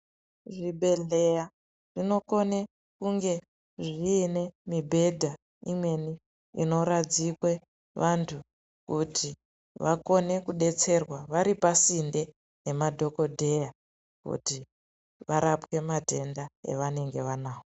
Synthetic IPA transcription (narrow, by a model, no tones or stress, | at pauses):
ʐibʱe̞ɮeja | ʐ̥ino̞ko̞ne | kuŋɡe̞ | ʐiːne̞mibʱe̞dʱa | imwe̞ni | ḭno̞ɾad͡zikwe̞ | ʋʔantʰu | kutʰi | ʋako̞ne̞kuɗe̞t͡se̞rwaʋaɾipasinde | ne̞madʱo̞ko̞dʱe̞ja | kṵti | ʋaɾapwe̞mate̞ndaḛʋane̞ŋɡe̞ʋanaːo